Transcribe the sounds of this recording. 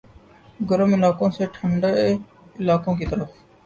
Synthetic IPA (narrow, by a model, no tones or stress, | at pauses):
ɡəɾəmɪlaːkõːseːʈʰəɳɖəe | ɪlaːkõːkiːt̪əɾəf